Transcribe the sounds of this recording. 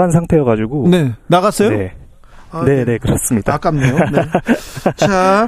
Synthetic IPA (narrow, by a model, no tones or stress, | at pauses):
ansʰaŋtʰe̞ʌɣad͡ʑuɡone̞naɣas͈ʌjone | ne̞ne̞kɯɾʌs͈ɯmɲidak͈amɲo | t͡ɕʰa